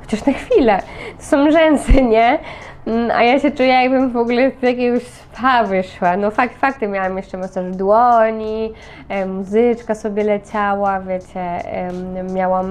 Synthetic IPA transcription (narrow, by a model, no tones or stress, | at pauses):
xɔt͡ɕaʂnaxfʲilɛt̪ɔ̥sɔ̃w̃ʐɛnsɛɲɛ | ʔa̰jaɕɛt͡ʂujɛjaɡ̚bɘmvɔɡulɛvjak̬ʲeɡɔɕsfavɘʂwanɔfakfak̚t̪ɨmʲjawamjɛʂt͡ʂɛmasaʐd̪wɔɲi | muzɘt͡ʂkasɔbʲɛlɛt͡ɕawavʲjet͡ɕɛ̰ | mʲjawam